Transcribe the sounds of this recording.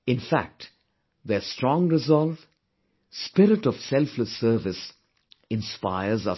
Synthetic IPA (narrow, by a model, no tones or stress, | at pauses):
ɪ̃nfæ̰k̚ʈ | ðəsʈɾɔ̃ːŋɾɪzɔlv | spɪɾɪʈɔʋ̥sɛlfləsəɾʋɪs | ɪ̃nspaɪəzʌ